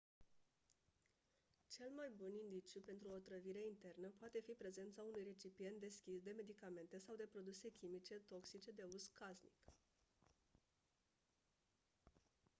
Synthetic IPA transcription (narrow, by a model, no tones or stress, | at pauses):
t͡ʃe̞lmajbunind̪it͡ʃjupe̞nt̪ɾuo̞t̪ɾəviɾe̞int̪e̞rnəpoat̪e̞fipɾe̞ze̞nt̪saunujre̞t͡ʃipije̞nt̪̚d̪e̞skʲisd̪e̞me̞d̪ikame̞nt̪e̞sawd̪e̞pɾo̞d̪use̞kʲimit͡ʃe̞t̪o̞ksit͡ʃe̞d̪e̞uzkaznik